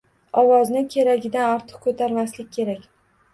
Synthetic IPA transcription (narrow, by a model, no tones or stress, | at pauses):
ɒwɒznɪkʲʰe̞ɾaɡʲɪd̪anɒɾt̪ʰɨ̥q̚kʰɵt̪ʰaɾmaslɪkʲkʰʲːe̞ɾakʲ